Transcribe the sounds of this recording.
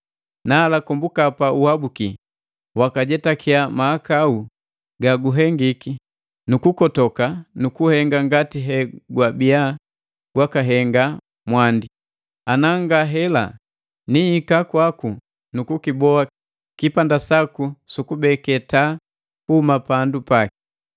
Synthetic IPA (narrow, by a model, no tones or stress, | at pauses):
naːlakɔmbukapauhabuki | wakaɟɛtakʰiamaːkau | ɡaɡuɦɛŋɡiki | nukukɔtɔkanukuhɛŋɡaŋɡatiɦɛɡwabia | ɡ̥wakaɦɛŋɡa | mwandi | anaŋɡaɦɛla̰ | nihikakwaku | nukukibɔa | kipandasakusukubɛkɛta | kuumapandupaki̥